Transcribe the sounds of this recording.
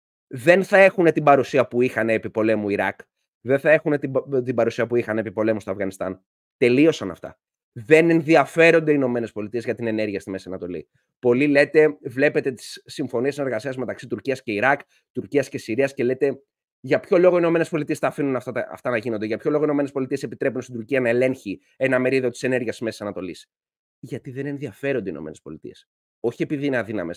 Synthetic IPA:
ðe̞nθɐe̞xune̞t̪ibɐɾusiɐpuixɐneːpipo̞le̞muiɾɐk | ðenθɐe̞xune̞t̪it̪ibɐɾusiɐpuixɐnepipo̞le̞must̪o̞ɐvɣɐnist̪ɐn | t̪e̞lio̞sɐnɐ̰ft̪ɐ̰ | ðe̞ne̞nðiɐfe̞ɾo̞nd̪e̞ino̞me̞ne̞spo̞lit̪ie̞zʝɐt̪ine̞ne̞ɾʝiɐst̪ime̞siɐnɐt̪o̞lḭ | po̞lile̞t̪e̞vle̞pet̪e̞t̪i̥ssːiɱfo̞niesine̞ɾɣɐsiɐzme̞t̪ɐksit̪uɾciɐsce̞iɾɐk | t̪uɾciɐsce̞siɾiɐsce̞le̞t̪e̞ | ʝɐpço̞lo̞ɣo̞inome̞nespo̞lit̪iestɐːfinunɐft̪ɐt̪ɐ̰ft̪ɐnɐʝinod̪eʝɐpço̞lo̞ɣoino̞me̞nespo̞lit̪ie̞se̞pit̪ɾepunst̪id̪uɾciɐnɐe̞le̞ŋçi | e̞nɐme̞ɾiðo̞t̪i̥se̞ne̞ɾʝiɐst̪zme̞ssɐnɐt̪o̞lis | ʝɐt̪iðe̞ne̞nðiɐfe̞ɾo̞nd̪ḭno̞̰ene̞spo̞̰lit̪ḭe̞s | o̞çiepiðineɐðinɐ̰me̞̰s

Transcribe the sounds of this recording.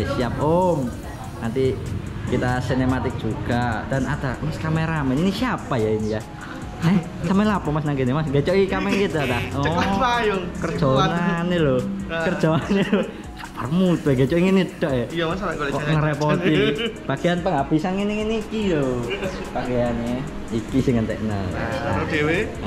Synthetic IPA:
siap̚om | nant̪ikit̪asinemat̪ɪk̚ʒ̥uɡ̥ad̥anad̪̥amaskamɛɾamɛninisiapajainija | nɛ | samɛlapɔmasnaŋkinimasɡat͡ʃɔʔikamɛŋkit̪adaɔajŋkərdd͡ʒ̥ɔnanelokərd͡ʒ̥ɔanelo | kapərmut̪ueɡat͡ʃɔʔiŋinid̥ɔʔɛjaasŋəɾɛpɔt̪ib̥akeanpəŋɡab̥isanŋiniŋinikilo | b̥akejane | ikisɪŋənt̪ɛʔna̰a̰dewe

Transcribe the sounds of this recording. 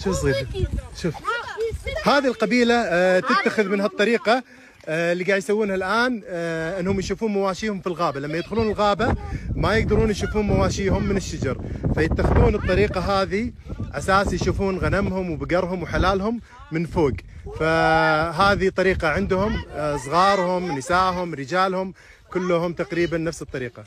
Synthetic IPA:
ʃʊs̬ˤiːɾʃʊf | haːðilqɑbiːlat̪ɪt̪ːaxɪðmɪnɦat̪ˤːɑɾiːqɑ | ɪlːiːɡaːʕd̪jsawːuːnhalʔaːnʔɪnːhʊmjʃuːfuːnmawaːʃiːhʊmfilɣaːbalamːajɪd̪xʊluːnɪlɣaːbamajɪɡ̚d̪ɑɾˤuːnjʃuːfuːnmawaːʃiːhʊmːɪnɪʃːad͡ʒɑ̰ɾˤfajɪt̪ːaxɪðuːnɨt̪ˤːɑɾiːqɑɦaːðiʕasaːsjʃuːfuːnɣanamhʊmwbɪɡɑɾˤɦʊmwħalaːlɦʊmː | ɪnfoːɡfaɦaːðit̪ˤːɑɾiːqɑʕɪnd̪hʊmsˤɣɑːɾˤhʊmnɪsaːʔɦʊmɾɪd͡ʒaːlhʊm | kʊlːʊhʊmt̪aqɾiːbanːafsɨt̪ˤːɑɾiːqɑ

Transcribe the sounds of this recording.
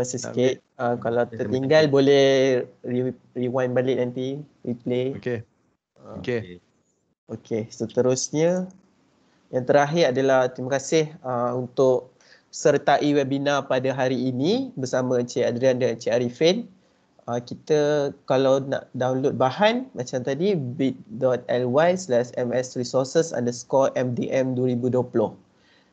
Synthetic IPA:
masəsikɪt̪̚əkalawt̪ərt̪iŋɡalbolɛhri | riwanbalɪʔ̚nant̪iwipleke | əke | okʰesət̪əɾʊsɲə | jaŋt̪əɾaɦɪɾadalaht̪ɾimakasɪhəunt̪ʊʔ̚ | sərt̪aʔiwɛbinãpadaɦaɾiːnĩbərsamãt͡ʃeadɾiandəŋant͡ʃeaɾifɛn | əkit̪əkalawna̰ʔdawnlot̪̚baɦanmat͡ʃamt̪adibit̪̚dɔt̪̚ɛlwajslɛsɛmɛsrisɔrsəsa̰ndəskɔʔɛmdiʔɛmduəɾibuduəplʊh

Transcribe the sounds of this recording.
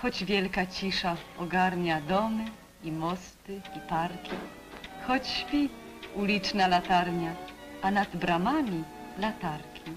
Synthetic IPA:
xɔd͡ʑvʲjɛlkat͡ɕiʂaɔɡaɾɲad̪ɔmɘ | imɔst̪ɘipaɾkʲi | xɔt͡ɕːvʲi | ulʲit͡ʂnalat̪aɾɲaanad̪bɾamamʲilat̪aɾkʲʰi

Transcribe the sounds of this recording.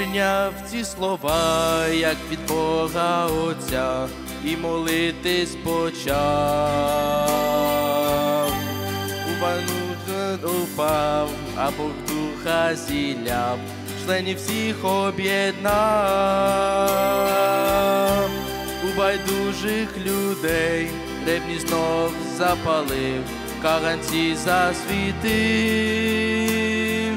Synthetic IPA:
nʲawt͡sʲislˠɔʋajɐkʋʲid̪̚bɔɣɐɔt͡sʲa | imɔlˠɪt̪ɪsʲpɔt͡ʃa | w | ubajnuxɔpaw | ɐ̰bɔɣd̪uxɐzʲilʲaf | ʂlˠɛnʲifsʲixɔbʲɛd̪̚na | ʊbajd̪uʐɨxlʲʊd̪ɛj | lɛbnʲiznok | zɐpalˠɨ | kaɣanʲtʲizɐsʲvʲit̪ɨ

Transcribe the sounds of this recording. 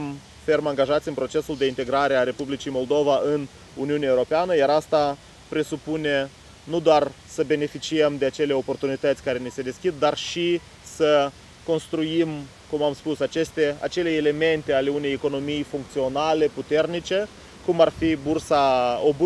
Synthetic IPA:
m | fe̞rmaŋɡaʒat̪sʲɨnpɾo̞t͡ʃe̞suld̪e̞int̪e̞ɡɾaɾe̞aɾe̞publit͡ʃijmo̞ld̪o̞vaɨn | uniuneaewɾo̞peanəjaɾast̪a | pɾe̞supune̞ | nud̪oar | səbe̞ne̞fit͡ʃiəmd̪eat͡ʃe̞le̞o̞po̞rt̪unit̪ət̪sʲkaɾe̞nise̞d̪e̞skʲid̪̚ːarʃi | sə | ko̞nst̪ɾujim | kumamspusat͡ʃe̞st̪ea̰t͡ʃe̞leele̞me̞nt̪e̞ale̞une̞jeko̞no̞mijfuŋk̚t̪sio̞nale̞put̪e̞rnit͡ʃe̞ | kumarfibursaob

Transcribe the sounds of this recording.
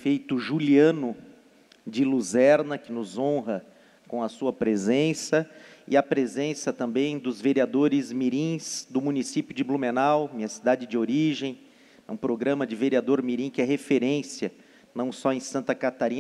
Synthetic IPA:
fejt̪ʊʒuliɐ̃nʊ | d͡ʒɪluzɛɾnɐkɪnʊzõɦɐ | kõw̃ɐsuɐpɾezẽsɐɪ̰ɐpɾezẽsɐt̪ɐ̃mbẽj̃d̪ʊzveɾiad̪oɾɪzmiɾĩsd̪ʊmũnisipjʊd͡ʒɪblumenawmĩɲɐsid̪ad͡ʒɪd͡ʒɪoɾiʒẽj̃ | ɛũpɾoɡɾɐ̃mɐd͡ʒɪveɾiad̪oɾmiɾĩkɪɛɦefeɾẽsiɐ | nɐ̃w̃sɔẽj̃sɐ̃nt̪ɐkat̪aɾĩ

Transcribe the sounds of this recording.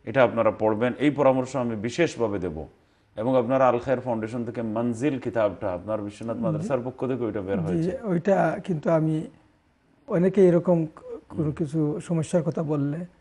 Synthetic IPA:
eʈaapnaɾapɔɽbenejpɔɾamoɾʃoamibiʃeʃbʱabed̪ebo̰ | eboŋapnaɾalxʰaeɾfʰawɳɖeʃ̬ont̪ʰekemɐnzilkit̪ab̚ʈaapnaɾbiʃːonat̪mad̪ʱaɾsaɾpokʰːot̪ʰekeojʈabeaɾɦod͡ʑeiojʈakint̪uami | ɔnekeeɾɔkomkonokit͡ɕʰuʃɔmoʃːaɾkɔt̪ʰabolːe

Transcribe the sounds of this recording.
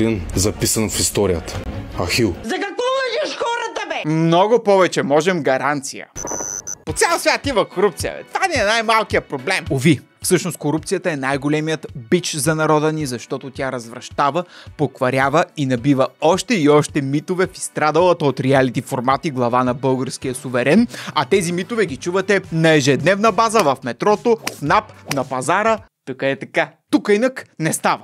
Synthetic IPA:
inzɐpisɐnfist̪ɔɾijət̪ə̥ɐxilˠzɐkɐkvɔnɐʒʃxɔɾət̪ɐbɛmnɔɡopɔvɛt͡ʃɛmɔʒɛmɡɐɾant̪sijə̰pot̪sʲɛlˠsvʲjat̪ivɐkoɾup̚t̪sijə̰t̪vaniɛnajmalˠkijəpɾoblɛmovi | fsɤʃnost̪koɾup̚t̪sijət̪əɛnajɡolɛmijət̪bit͡ʃzɐnɐɾɔd̪ənizɐʃt̪ɔt̪ot̪ʲaɾɐzvɾɐʃt̪avəpokvɐɾʲavəinɐbivɐɔʃt̪ɛiɔʃt̪ɛmit̪ovɛfi̥st̪ɾad̪ɐlˠət̪əot̪ɾɛalit̪ifoɾmat̪iɡlˠɐvanɐbɤlˠɡəɾskijəsʊvɛɾɛnɐt̪ɛzimit̪ovɛɡʲit͡ʃuvɐt̪ɛnɐɛʒɛd̪nɛvnɐbazəvɐfmɛt̪ɾɔt̪ofnapnɐpɐzaɾət̪əkəɛt̪ɐkat̪ukəinəknɛst̪avɐ

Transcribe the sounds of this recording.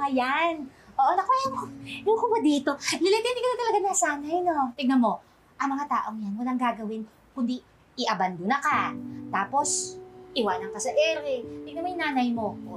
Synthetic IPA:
ɐjanʔoːʔonɐkoʔjaŋkjʊŋkʊbɐd̪iːt̪o̞lɪlɪt̪ɛnɪkɐnɐt̪ɐlɐɡanasaːnajnot̪ɪɡ̚nɐmo̞ | ʔɐŋmɐŋat̪aːʔo̞ŋjanwɐlaŋɡaːɡɐwɪn | kʊnd̪i | ɪʔɐband̪ʊnɐkat̪aːpo̞sʔɪwanɐŋkɐsɐʔɛɾɛt̪ɪɡnɐmojɪnaːnɐjmo̞

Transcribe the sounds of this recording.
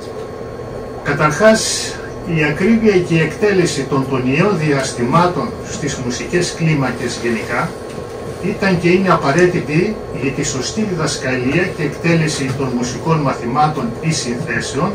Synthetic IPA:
kɐt̪ɐɾxɐs | iɐkɾiviɐce̞iekt̪e̞le̞sit̪o̞nt̪o̞nio̞nðiɐst̪imɐt̪o̞n | st̪izmusice̞sklimɐce̞zʝe̞nikɐ | it̪ɐɲce̞ineɐpɐɾe̞t̪it̪i | ʝɐt̪iso̞st̪iðiðɐskɐliɐce̞ːkt̪e̞le̞sit̪o̞nmusiko̞nmɐθimɐt̪o̞nisinθe̞se̞o̞n

